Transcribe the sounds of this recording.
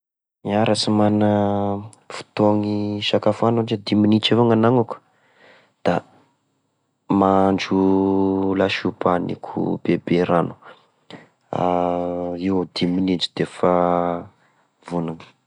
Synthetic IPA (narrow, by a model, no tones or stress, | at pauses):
iaɾasimanə | fu̥t̪oŋiʃakafanud͡ʒed̪iminit͡ʃevaŋanaŋakə̥ | d̪̥a | mand͡ʒu | laʃupanḭkʰṵb̥ebeɾanu̥ | a | iwad̪iminind͡ʒid̪̥efa | vunani̥